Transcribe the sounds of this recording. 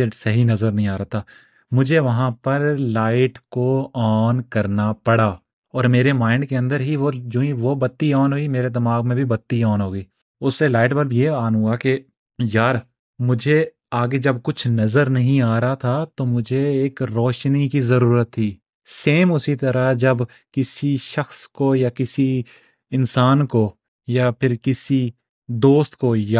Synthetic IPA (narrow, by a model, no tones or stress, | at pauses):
esɐɦinɐzəɾnɐɦĩaːɾaːt̪ʰaː | mʊd͡ʒʱeʋɐɦãpɐɾlaːɪʈkoɔːnkɐɾnapɐɽaː | ɔːɾmeːɾemãːɪ̃ɳɖ̚keɐ̃nd̪əɾɦiʋod͡ʒũːĩʋobɐt̪ːiɔːnɦoːimeːɾed̪ɐmaːɡmẽbʱibɐt̪ːiɔːnɦoːɡiː | ʊsːelaːɪʈbɐlbjeaːnɦʊ̃ɡake | jaːɾ | mʊd͡ʒʱe | aːɡed͡ʒɐb̚kʊt͡ʃʰnɐzəɾnɐɦĩaːɾɦat̪ʰat̪omʊd͡ʒʱeeːkɾɔːʃnikizɐɾuːɾət̪ʰːiː | seːmʊsit̪ɐɾad͡ʒɐb | kɪsiʃɐxskojakɪsi | ɪnsaːnko | japʰɪɾkɪsi | d̪oːst̪koja